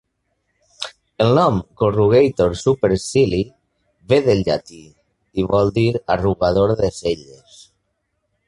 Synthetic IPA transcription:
elnɔmkoruɣejt̪oɾsupeɾsili | βeðelʎat̪i | iβɔlˠd̪iɾaruɣað̞oɾðeseʎes

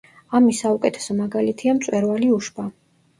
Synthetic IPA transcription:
amisaukʼɛt̪ʰɛ̥sɔmaɡalit̪ʰiamt̪sʼwɛɾvaliuʃba

